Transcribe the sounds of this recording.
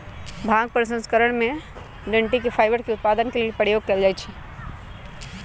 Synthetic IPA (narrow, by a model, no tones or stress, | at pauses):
bʱãːŋɡ̚pəɾsə̃nskəɾəɽ̃mẽ | ɖə̃ɳʈikepʰaːɪʋəɾkeʊt̪̚paːd̪ənkeliepəɾjoːɡ̚keld͡ʒaːjt͡ʃʰɛ